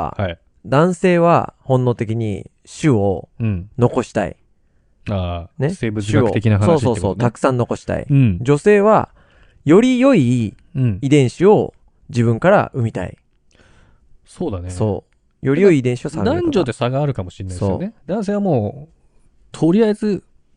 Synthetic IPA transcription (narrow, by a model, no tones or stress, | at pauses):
a̰hai | d̪ãɰ̃se̞ːβ̞a̰hõ̞nːo̞ːt̪e̞k̬ʲiɲ̟ḭ | ɕɨõ̞no̞ko̞ɕi̥t̪a̰ḭ | aːneseːbɯ̟t͡sɕɨɨaoɯt̪ekʲinaɦasnsoːsiso̞ːeso̞ːtt̪akɯ̟̥sãnːo̞ko̞ɕi̥t̪a̰ḭd͡ʑo̞se̞ːβ̞a | jo̞ɾʲijo̞ĩː | d̪ẽ̞ɰ̃ɕio̞ | d͡ʑiβbɯ̟̃ŋkaɾa̰ʔɯ̟mʲit̪a̰ḭ | soːd̪aneso̞ː | jo̞ɾʲijo̞iːd̪ẽɕio̞saɡad̪ãɲd͡ʑo̞d̪e̞saɡaːɾɯ̟kamoɕinaiso̞ːed̪ãɰ̃s̬e̞ːβamoː | t̪ʰoɾʲiaezɨ